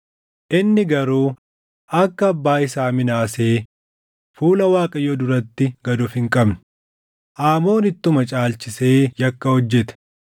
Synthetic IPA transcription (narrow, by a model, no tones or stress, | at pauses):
ʔɪnːɪɡɐɾuː | ʔɐkːɐːbːaːɪsaːmɪnaːseː | fuːlɐwaːkʼɐjɔd̪ʊɾɐt̪ːɪɡɐd̪ʊfɪŋkʼɐbnʊ̥ | ʔaːmo̞ːnɪt̪ːʊmɐt͡ʃʼaːlt͡ʃɪse̞ːjɐkːɐhɔd͡ʒːɛt̪